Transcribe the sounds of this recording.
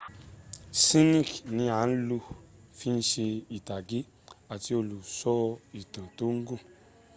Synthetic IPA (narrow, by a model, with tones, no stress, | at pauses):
si˦ni˦˨knĩ˧a˨˦n̩˦lu˧fi˦n̩˦ʃe˧i˨ta˨ɡi˦ | a˨ti˧o˧˨lu˨sɔ˦˧i˨tã˨to˦ŋ̩˦ɡũ˦˨